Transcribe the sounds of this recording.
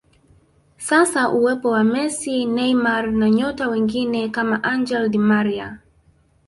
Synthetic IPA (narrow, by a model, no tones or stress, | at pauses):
sasaʔuwɛpɔwamɛsinɛjmaɾnaɲɔtawɛŋɡinɛkamaʔand͡ʒɛldimaɾia̰